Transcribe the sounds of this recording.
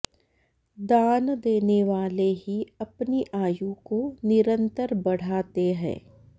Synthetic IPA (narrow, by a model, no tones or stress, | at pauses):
d̪aːnd̪eːneʋaːleɦiɐpniʔaːjukonɪɾə̃nt̪əɾbɐɽ̤aːt̪eɦɛ̰̃ː